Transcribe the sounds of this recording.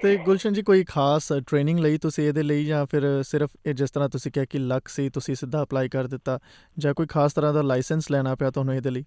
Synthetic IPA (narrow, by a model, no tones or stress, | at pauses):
t̪eːɡʊlʃə̃nd͡ʒiːkoːiːkʰaːsʈɾeːnɪ̃ŋɡləiːt̪ʊsĩːeːd̪eːləiːjãːpʰɪɾsɪɾəpːd͡ʒɪst̪əɾãːt̪ʊsĩːkɪaːkɪləkʰsiːt̪ʊsĩːsɪd̪ːaːəplaːiːkəɾd̪ɪt̪ːaː | d͡ʒãːkoːiːkʰaːst̪əɾãːd̪aːlaːɪsənslɛːɽ̃aːpɛaːt̪ʊɦaːnũːeːd̪eːləiː